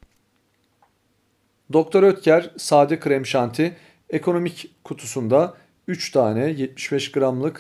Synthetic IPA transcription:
d̪o̞k̚t̪ʰo̞ɾøt̪cʰæɾsaːd̪ikʰɾɛmʃant̪ʰiɪ | e̞kʰo̞no̞mickʰːut̪ʰusund̪a | yt͡ʃt̪ʰaːnɛjɛt̪̚mi̥ʃbɛʃɡɯɾamlˠɯk

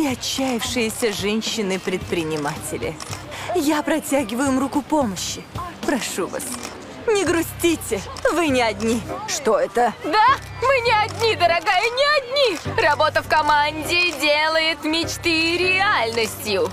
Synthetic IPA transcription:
ɪɐt͡ɕːajɪfʂɨjɪsʲəʐɛnʲɕːɪnɨpɾʲɪt̪̚pɾʲɪnʲɪmatʲɪlʲɪ̰japɾɐtʲaɡʲɪvʊjʊmrukʊpoməɕːɪpɾɐʂuva̰s | nʲɪɡɾʊsʲtʲitʲɪvɨnʲɪɐdʲnʲiʂt̪oɛt̪əd̪a | mɨnʲɪɐd̪ʲnʲid̪əɾɐɡajənʲɪɐdʲnʲirɐbo̞t̪əfkɐmanʲdʲɪdʲelˠəjɪt̪mʲɪt͡ɕt̪ɨɾʲɪalʲnəsʲtʲjʊ

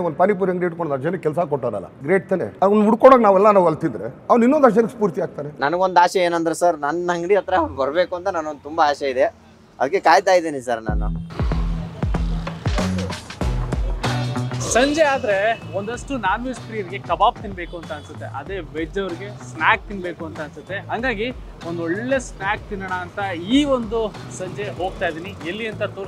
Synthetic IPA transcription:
ond̪panip̬uːɾɐŋɡɾeːʈkoɽonɐd͡ʒenekɛlsakɔʈːaɾɐ̰lːa̰ɡɾeːʈ̚t̪ɐnḛɐʋnuɽkoɽoːknaːʋɛlːɐnaːʋɐlt̪ind̪ɾeɐʋninːond̪ad͡ʒenkspuːɾt̪iaːk̚t̪aːɾenɐnɡo̞nd̪aːʃɐeːnɐnd̪ɾesɐɾnɐnːɐŋɡɽiɐt̪ɐɾɐbɐɾbeːkuɐnt̪ɐnaːnond̪ut̪umbɐaːʃɐid̪e | ɐd̪ɐk̬ːe̞kaːjt̪aːjd̪eːnisɐɾna̰ːnṵ | sɐɲd͡ʒeaːd̪ɐɾe̞ | ond̪ɐʂʈunaːnʋispɾijɐɾiɡe̞kɐbaːp̚t̪inbe̞ːkuɐnt̪ɐːnsɐt̪ːeʔɐd̪e̞ːʋed͡ʒɐʋɾiɡe̞snaːk̚t̪inbe̞ːkuɐnt̪ɐːnsɐt̪ːeɦɐŋɡaːɡi | ond̪ɔɭːe̞snaːk̚t̪inːɐɳɐːnt̪ɐiːʋond̪u | sɐɲd͡ʒeɦo̞ːɡ̚t̪aːjid̪iːnielːiɐnt̪ɐt̪oː

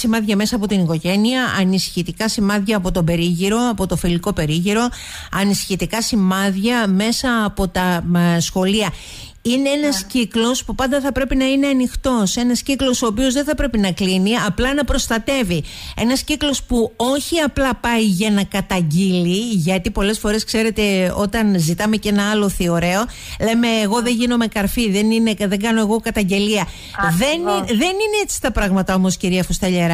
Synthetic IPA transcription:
simɐðʝɐme̞sɐːpo̞t̪iniko̞ʝe̞niɐʔɐnisi̥çit̪ikɐsimɐðʝɐːpo̞t̪o̞be̞ɾiʝiɾo̞ɐpo̞t̪o̞filiko̞pe̞ɾiʝiɾo̞ | ɐnisi̥çit̪ikɐsimɐðʝɐme̞sɐːpo̞t̪ɐsxo̞liɐ | ine̞enɐsciklo̞spupɐnd̪ɐθɐpɾe̞pinɐine̞ɐnixt̪o̞se̞nɐsciklo̞so̞ːpio̞zðeθɐpɾe̞pinɐkliniɐplɐnɐpɾo̞st̪ɐt̪e̞vie̞nɐsciklo̞spuo̞çiɐplɐpɐiʝɐnɐkɐt̪ɐɲɟiliʝɐt̪ipo̞le̞sfo̞ɾe̞skse̞ɾe̞t̪e̞o̞t̪ɐnzit̪ɐme̞ce̞nɐɐlo̞θio̞ɾe̞o̞ | le̞me̞ːɣo̞ðe̞ʝino̞me̞kɐɾfiðenineðe̞ŋɡɐno̞e̞ɣo̞kɐt̪ɐɲɟe̞liɐ | ðe̞niðe̞nineet͡si̥st̪ɐpɾɐɣmɐt̪ɐo̞mo̞sciɾiɐfost̪ɐʎeɾɐ

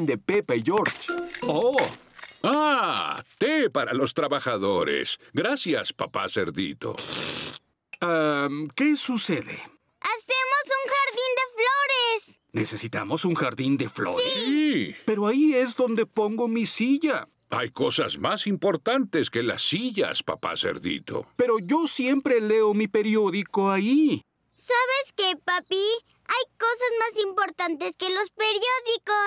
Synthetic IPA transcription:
nd̪e̞pepaiʝo̞ɾt͡ʃo | a | t̪epaɾa̰lo̞st̪ɾaβaxaðo̞ɾḛsɡɾasjaspapa̰sḛɾðḭt̪o̞̰ | akesuse̞ðe̞̰ | asemosuŋxaɾðind̪efloɾes | ne̞se̞sit̪a̰mo̞suŋxaɾðind̪e̞flo̰ɾipe̞ɾo̞aie̞zðo̞nd̪e̞po̞ŋɡo̞misiʝa | a̰jko̞sa̰zmasimpo̞ɾt̪ant̪e̞skela̰sːiʝa̰spa̰pa̰sḛɾðḭt̪o̰pe̞ɾo̞ʝo̞sjempɾe̞le̞o̞mipe̞ɾjo̞ðiko̞ai | saβeskepapi | ajko̞sazmasimpo̞ɾt̪ant̪eskelo̞speɾjoðikos

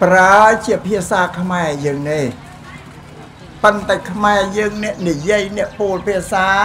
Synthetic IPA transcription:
praət͡ɕiəpʰiəsaːkʰmaɛjəːŋneː | pənt̪aɛkʰmaɛjəːŋnɛ̆əʔnijiəjnɛ̆əʔpuəlpʰiəsaː

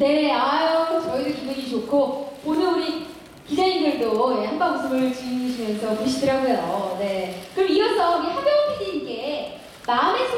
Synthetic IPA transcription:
ne̞ajkʰot͡ɕʌidokineɡit͡ɕokʰoponɯnuɾi | kid͡ʑainɡɯɭdohaŋmamus͈ɯmɯɭt͡ɕid͡ʑuɕʰimjʌnsʰʌpiɕʰidɯɾɦaɡejone̞kɯɾʌmiɡʌsʰʌɡehabjʌpʰiɲinɡe̞ | maɯme̞sʰ

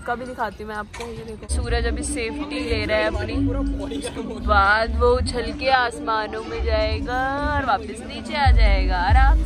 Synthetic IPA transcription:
kabʱidɪkʰaːt̪iɦumɛ̃aːp̚kosuːɾəd͡ʒɐbɪseːpʰʈileːɾɐɦeɐpni | baːd̪ʋot͡ʃʰɐlkeaːsmaːnõmẽd͡ʒaːeːɡaɔːɾʋaːpəsniːt͡ʃeaːd͡ʒaːeːɡaːɾaːb

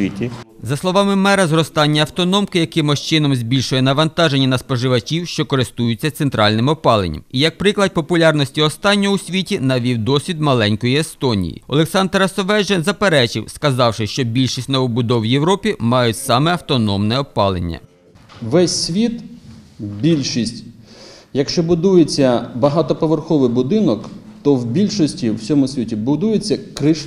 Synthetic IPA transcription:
itʲizɐslˠɔʋɑmɪmɛɾɐzrɔst̪ɑnʲːɐɐwt̪ɔnɔmkɪjɐkɪmɔʃt͡ʃɪnɔmzʲbʲilʲʃʊjɛnɐʋɐnt̪ɑʒenʲːɐnɐspɔʒɪʋɐt͡ʃʲiwʃt͡ʃɔkɔɾɪst̪ujʊt͡sʲːɐt̪sent̪ɾɑlʲnɪmɔpɑlˠenʲːɐ̰mijɐk̚pɾɪklˠɐd̪̚ʲpɔpʊlʲɑrnɔsʲtʲiɔst̪ɑnʲːɔɦʊsʲʋʲitʲinɐʋʲiwd̪ɔsʲʋʲid̪mɐlˠɛnʲkɔjiest̪ɔnʲḭjḭɔlˠeksɑnd̪ɾɐsɔʋɛd͡ʒenzɐpeɾɛt͡ʃɪwskɐzɑwʃɪʃt͡ʃɔbʲilʲʃisʲtʲnɔʋɔbʊd̪ɔwjewɾɔpʲimɑjʊtʲsɑmɛɐwt̪ɔnɔmnɛɔpɑlˠḛnʲːɐ̰ | ʋɛsʲːʋʲit̪ | bʲilʲʃisʲtʲ | jɐkʃt͡ʃɔbʊd̪ujet͡sʲːɐbɐɦɑt̪ɔpɔʋerxɔʋɪjbʊd̪ɪnɔkt̪ɔwbʲilʲʃɔsʲtʲiwsʲɔmʊsʲʋʲitʲibʊd̪ujet͡sʲːɐkɾɪʃ

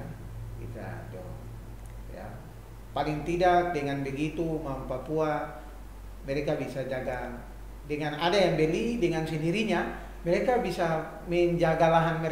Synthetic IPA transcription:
ɡḭt̪a̰dɔ | ja̰ | paliŋt̪idak̚dɛŋanbɛɡit̪umampapua | mɛɾɛkabisad͡ʒaɡa | dɛŋanadajaŋbɛlidɛŋansɛndiɾiɲa | mɛɾɛkabisa | mɛɲd͡ʒaɡalaɦanmɛ

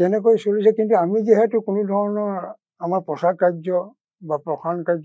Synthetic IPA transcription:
tɛnɛkojsolisakintuamiziɦɛtʊkʊnʊdʱɔɹɔnɔɹ | amaɹpɹɔsakajzɔ | bapɹɔkʰankajzɔ

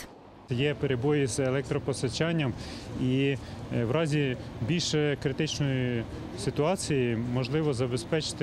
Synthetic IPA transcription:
jɛpeɾebɔjizelˠɛk̚t̪ɾɔpɔst̪ɐt͡ʃɑnʲːɐmi | wɾɑzʲibʲilʲʃɛkɾɪt̪ɪt͡ʃnɔji | sɪt̪ʊɑt͡sʲijimɔʒlˠɪʋɔzɐbespɛt͡ʃɪ̥t̪

